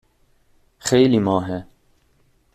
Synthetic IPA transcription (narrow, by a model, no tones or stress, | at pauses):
xejlimɑːɦɛ